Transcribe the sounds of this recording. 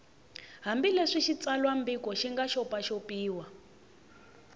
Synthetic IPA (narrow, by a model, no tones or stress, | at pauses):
ɦambilɛʂiʃit͡salwambikʼɔʃiŋɡaʃɔpaʃopiːwa